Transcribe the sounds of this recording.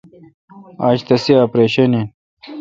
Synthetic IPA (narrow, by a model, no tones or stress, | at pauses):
a̰ːɕt̪ɐsiapɾeːɕɐnen